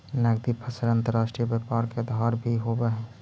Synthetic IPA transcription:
nəɡd̪ipʰəsəɾə̃nt̪əɾːaːʃʈɾijəbəpaːɾked̪ʱaːɾbʱiɦobəɦɛ̃ː

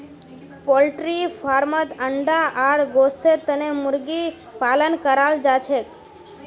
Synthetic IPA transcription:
pɔlʈɾifaɾmət̪əɳɖaʔaɾɡost̪ʰeɾt̪ənemʊɾɡi | palənkəɾald͡ʒat͡ʃʰek

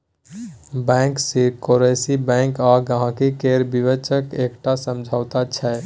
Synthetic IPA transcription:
bɛ̃ŋksikoɾeːsibɛ̃ŋkɔːɡəɦãkikeːɾbiʋət͡ʃəkeːkʈasəmd͡ʒʱaːʊt̪at͡ʃʰɛ

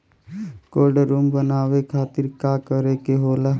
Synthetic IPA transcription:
koːɾɖɾuːmbənaːʋekʰaːt̪ɪɾkaːkəɾekeɦoːlaː

